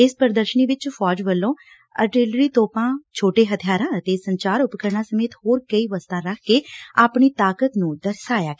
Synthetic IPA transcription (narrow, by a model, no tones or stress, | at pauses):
ɪspəɾd̪əɾʃəniːʋɪt͡ʃpʰɔːd͡ʒʋəlːõː | ə̰ʈeːlɾiːt̪oːpãːt͡ʃʰoːʈeːɦət̪ʰijaːɾãːət̪eːsəɲt͡ʃaːɾʊpkəɾɳaːsəmeːt̪hoːɾkəiːʋəst̪ãːɾəkʰkeːaːpɳiːt̪aːkət̪nũːd̪əɾsaːjaːkː